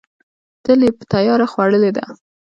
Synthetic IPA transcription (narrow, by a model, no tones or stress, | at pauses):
t̪əlepə̥t̪ajɑɾaxwaɽəled̪a̰